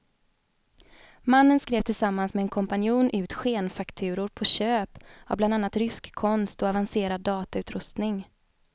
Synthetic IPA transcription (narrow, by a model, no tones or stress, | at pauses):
manːənskɾeːvt̪ʰɪlsamːansmɛɛnkʰɔmpanɪjuːnʔʉ̟ːt̪ɧeːnfakt̪ʰʉ̟ːɾʊɾpʰɔɕøːpa̰bland̪anːat̪ɾʏskʰːɔnst̪ɔavanseːɾad̪ːɑːt̪aʉ̟ːt̪ɾɵst̪nɪŋ